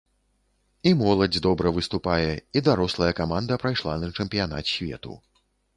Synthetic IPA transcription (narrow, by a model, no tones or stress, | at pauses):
imɔlˠɐd͡zʲd̪ɔbɾɐvɨst̪upajɛid̪aɾɔslˠɐjɐkamand̪ɐpɾajʂlˠanɐt͡ʂɛmʲpʲijana̰t̪sʲvʲɛ̰t̪ṵ